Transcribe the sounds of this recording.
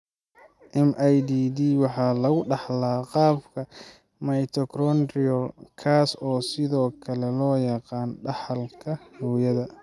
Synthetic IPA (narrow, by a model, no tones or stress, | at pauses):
ʔɛmʔɐjd̪iːd̪iːwɑħɑːlɐɣʊɖɑħlaːqɑːbkʰɐ | mɐjt̪ʰɔkʰɾɔnrɪɔlkʰaːsɔːsɪðɔːkʰɐlɛlɔːjɑqɑːnɖɑħɑlkʰɐhuːjɐðɐ